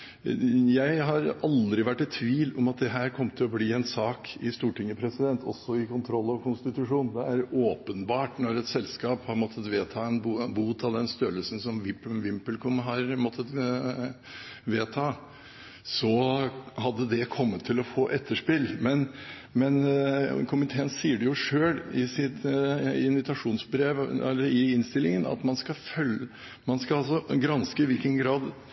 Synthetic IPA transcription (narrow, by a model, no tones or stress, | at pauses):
jæɪɦɑɾɑld̪ɾɪʋæʈːɛt̪ʰːʋiːlɔmɑt̪̚d̪ɛɦæːɾkʰɔmːt̪ʰɪlɔbliːɛnsɑːkɪst̪uːʈɪŋːəpʰɾɛsɪd̪ɛnt̪ʰɔ̰sːɔɪkʰʊnt̪ʰɾɔlːɑʋkʰʊnst̪ɪt̪ʉʂuːnd̪ɛæɾoːpənbɑːʈnɔɾɛt̪sɛlskɑːphɑɾmɔt̪ʰːət̪ʋeːt̪ʰɑːɛnbuːt̪ʰɑʋd̪ɛnst̪œɾəlsən̩sɔmʋɪpʋɪmpəlkʰʊmɦɑɾmɔt̪ʰːət̪ | ʋeːt̪ʰɑː | sɔhɑd̪ːəd̪ɛkʰɔmːət̪ʰːɪlɔfoːʔɛt̪ʰːəʂpɪlmɛn | mɛnkʰʊmɪt̪ʰeːənsiːəɖɛjʊʂøːɽɪsɪt̪ɪnʋɪt̪ɑʂuːnsbɾeːʋɛ̰lːəɾɪɪnst̪ɪlːɪŋənɑ̰t̪mɑnskɑfœl | mɑnskɑɑsɔɡɾɑnskəɪʋɪlkənɡɾɑːd̪